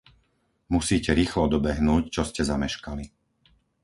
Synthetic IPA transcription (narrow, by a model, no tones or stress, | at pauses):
musiːcɛɾiːxlɔd̪ɔbɛɦnuːct͡ʃɔscɛzamɛʃkali